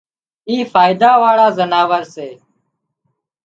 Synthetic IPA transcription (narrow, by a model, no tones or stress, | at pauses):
iːfaːɪd̪aːʋaːɽaːzənaːʋəɾseː